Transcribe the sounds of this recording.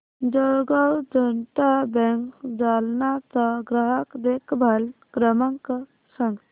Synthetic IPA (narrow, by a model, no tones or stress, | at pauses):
d͡ʒəɡəwd͡ʒənʈabɛŋkd͡ʒalnat̪əɡɾəɦəkd̪ekbʱalkɾəməŋkə | səŋɡ